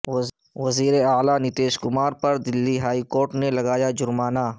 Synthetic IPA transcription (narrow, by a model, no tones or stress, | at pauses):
ʋɐziːɾeaːlanɪt̪eːʃkʊmaːɾpɐɾd̪ɪlːiɦaːikoːɾʈnelɐɡaːjad͡ʒʊɾmaːnaː